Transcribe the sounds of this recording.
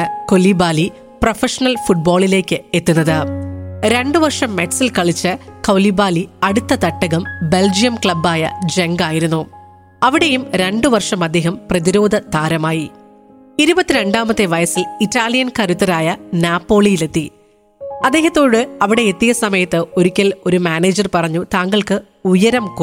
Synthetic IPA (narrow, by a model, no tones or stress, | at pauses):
ko̞libaːli | profeʂɐnɐlfuʈ̚bo̞ːɭile̞ːkːɨet̪ːunːɐðɨɾe̞ɳɖɨʋɐrʂɐmːe̞ʈsilkɐɭit͡ɕːɨkɐwlibaːliɐɽut̪ːɐt̪ɐʈːɐɣɐmbe̞ld͡ʑijɐmkɭɐbːaːjɐ̰d͡ʑe̞ŋɡaːjiɾunːu | ɐʋiɽe̞jumɾe̞ɳɖɨʋɐrʂɐmɐd̪ːeːɦɐmprɐðiɾo̞ːd̪ʱɐt̪aːɾɐmaːji | iɾubɐt̪ːiɾe̞ɳɖaːmɐt̪ːeʋɐjɐsilitːaːlijɐnkɐɾit̪ːɐɾaːjɐnjaːpːo̞ːɭijile̞t̪ːi | ɐd̪ːeːɦɐt̪ːo̞ːɽɨɐʋiɽe̞et̪ːiɣɐsɐmɐjɐt̪ːɨo̞ɾukʲːɐlo̞ɾumaːneːd͡ʑɐrpɐrɐɲːut̪aːŋɡɐɭkɨ | ujɐɾɐmk